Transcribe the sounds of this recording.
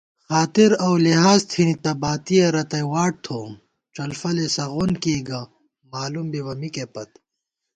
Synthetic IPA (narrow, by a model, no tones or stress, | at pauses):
xaːt̪iɾɐwliɦaːzt̪ʰinit̪ɐbaːt̪ijeɾɐt̪ɐjwaːʈ̚t̪ʰoːm | ʈ͡ʂɐlfɐlesɐɣonkiːɡɐ | maːlumbiwɐmikepɐt̪